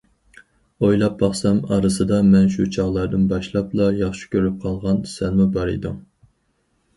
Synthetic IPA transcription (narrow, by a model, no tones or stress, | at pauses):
ojlˠɑp̚bɑχsɑmɑɾɨsɨd̪ɑmɛnʃut͡ʃʰɑʁlˠɑɾd̪ɨnbɑʃlˠɑplˠɑjɑχʃi̥kʲʰøɾyp̚qʰɑlˠʁɑnsɛnmubɑɾḭd̪u